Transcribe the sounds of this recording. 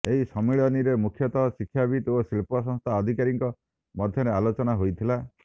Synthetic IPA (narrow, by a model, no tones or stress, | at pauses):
eɦisɔmiɭɔniɾemukʰjɔt̪ɔsikʰːjabʱit̪osilpɔs̬ɔ̃ŋ̃st̪ʰaɔd̪ʱikaɾiŋkɔ | mɔd̪ʱjɔɾealot͡ʃɔnaɦojt̪ʰila